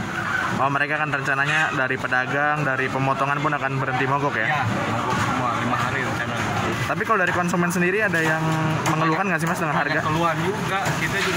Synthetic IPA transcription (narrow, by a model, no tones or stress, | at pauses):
mawaməɾekaːkanrəɲt͡ʃanaɲadaɾipədaɡaŋdaɾipəmɔt̪ɔŋanpʊnakanbəɾənt̪imoɡɔkjamoɡɔksəmualimaɦaɾit̪sama | t̪ap̬ikalodaɾikɔnsumɛns̬əndiɾiadajaŋməŋəlukanŋɡaʔs̬ihmasdəŋanɦarɡakəluad͡ʒuɡakit̪ad͡ʒu